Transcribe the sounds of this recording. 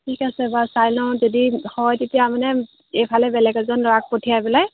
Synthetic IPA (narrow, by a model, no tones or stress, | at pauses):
tʰikasɛbasajlɔzɔdihɔjtetijamanɛ | ejpʰalɛbɛlɛɡɛzɔnlɔak̚potʰijabilaj